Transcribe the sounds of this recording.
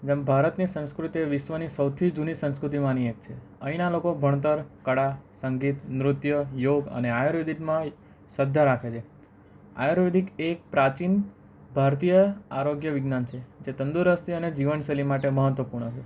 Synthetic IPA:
d͡ʒembʱaɾət̪nisə̃ñskɾut̪eʋɪʃʋənisəwt̪ʰid͡ʒunisə̃ñskɾut̪̬imaniek̚t͡ʃʰe | əinalokobʱəɳt̪əɾkəɽasəŋɡit̪nɾʊt̪jəjoɡə̰neajoɾʋid̪ʱikmã | səd̪ʱaɾakʰet͡ʃʰe | a̰joɾʋed̪ʱikek̚pɾat͡ʃin | bʱaɾt̪ijəaɾoɡjəʋiɡnant͡ʃʰed͡ʒet̪ənd̪uɾəst̪iəned͡ʒiʋənʃelimaʈeməɦət̪ʋəpuɾɳ̃ət͡ʃʰe

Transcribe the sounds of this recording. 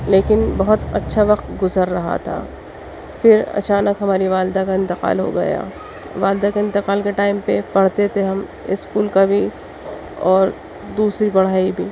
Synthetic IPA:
leːkɪnbɐɦʊt̪ɐtːʃʰaʋɐqt̪ɡʊzəɾːɐɦa̰t̪ʰa̰ː | fɪɾɐ̰t͡ʃaːnəkɦɐmaːɾiʋaːld̪akaɪ̃nt̪ɪqa̰ːlɦo̰ɡɐ̰ja̰ː | ʋaːld̪akeɪ̃nt̪ɪqaːlkeʈaːɪmpepɐɽ̤t̪et̪ʰeɦɐm | ɪskuːlkabʱi | ɔːɾ | d̪uːsɾibɐɽ̤aːibʱiː

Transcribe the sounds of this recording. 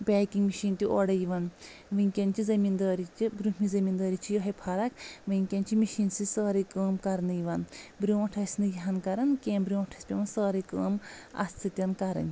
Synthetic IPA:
bʲaːkiŋɡmiʃiːnt̪ʲiʔoɽɐjiʋɐn | ʋɨŋʲkʲɐnt͡ʃizɐmiːnd̪ɐːɾit͡ʃibɾumʲizɐmiːnd̪ɐːɾit͡ʃʰijɐɦɐpʰɐɾɐkʋɨŋʲkʲɐnt͡ʃimiʃiːnsisəːɾikəːmkɐɾnɨjiʋɐnbɾʲjuːɐʈʰɐsʲnɨjɐɦɐnkɐɾɐnkʲeːmbɾʲjõːʈʰɐsʲpʲiʋɐnsəːɾɐkəːmɐ̰st̪ʰɨt̪ʲjɐnkɐɾɐ̰nʲ

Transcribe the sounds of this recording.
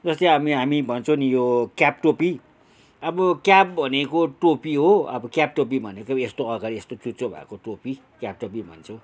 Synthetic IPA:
d͡zʌst̪eɦamiɦamibʱʌnt͡sʰʌw̃nijokjap̚ʈopi | ʌbʌkjap̚bʱʌnekoʈopiɦoʌ̰bʌkjap̚ʈop̬ibʱʌnekʌest̪oʌɡaɾiest̪ot͡sut͡sobʱa̰koʈopi | kjap̚ʈopibʱʌ̰nt͡sʰʌw̃

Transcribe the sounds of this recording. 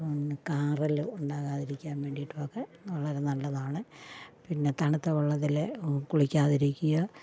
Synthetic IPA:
kaːrɐlɨuɳɖaːɣaːðiɾikʲːaːnʋeːɳɖijiʈːuoːkːeɐɭːɐɾɐnɐlːɐðaːɳɨpinːe̞t̪ɐɳit̪ːɐʋɐɭːɐt̪ːilekuɭikʲːaːðiɾikʲːujɐ

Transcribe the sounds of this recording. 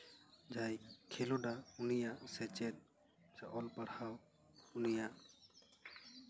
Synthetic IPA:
d͡ʒajkʰɛluɖaunijaʔsɛt͡ʃɛt̪̚ | saʔɔlpaɾhaw | unijaʔ

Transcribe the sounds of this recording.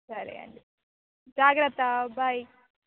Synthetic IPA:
sɐɾḛɐ̰ɳɖi | d͡ʒaːɡɾɐt̪ɐbʱaj

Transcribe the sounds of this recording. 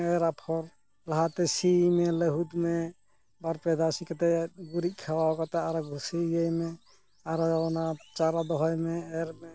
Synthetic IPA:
eɾapʰɔɾ | laɦat̪ɛsimeleɦud̪me | baɾpɛd̪ʱasikat̪ɛɡuɾik̚kʰawaɔkat̪ɛaɾɔɡʱsiajme | aɾɔɔnat͡ʃaɾad̪ɔɦɔjmeɛɾme

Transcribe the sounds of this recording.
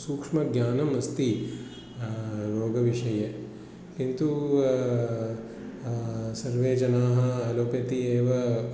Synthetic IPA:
suːkʂmɐɡjaːnɐmɐst̪i | ɾoːɡɐʋiʂɐje | kint̪u | sɐɾʋeːd͡ʒɐnaːɦɐ̆ɐloːpɐt̪ieːʋɐ

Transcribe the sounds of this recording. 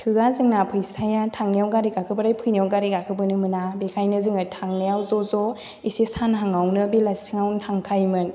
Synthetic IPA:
tʰɯɡazɯŋnapʰɯjsajatʰaŋnijawɡaɾiɡakʰɯbaɾajpʰɯjnawɡaɾiɡakʰɯbɯnɯmɯnabekʰajnɯzɯŋɯtʰaŋnajawzɔzɔ | isesanɦaŋawnɯbilasiŋawntʰaŋkʰajmɯn

